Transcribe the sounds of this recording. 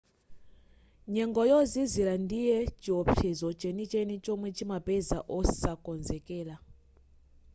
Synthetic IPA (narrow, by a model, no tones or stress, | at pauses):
ɲɛŋɡɔjɔziziɾandijɛt͡ʃiɔpʰɛzɔt͡ʃɛnit͡ʃɛnit͡ʃɔmwɛt͡ʃimapɛza̰ʔɔsakɔnzɛkɛːla